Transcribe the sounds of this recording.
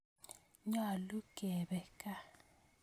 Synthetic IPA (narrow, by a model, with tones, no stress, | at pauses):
ɲa˨lu˦ɡ̥ʱɛ˨ɓɛ˨kʼa˦